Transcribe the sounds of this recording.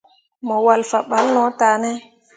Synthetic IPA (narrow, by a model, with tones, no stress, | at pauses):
mɔ˨wa˨lfa˨ɓa˨˦lnɔ˨˦taː˨nɛ˦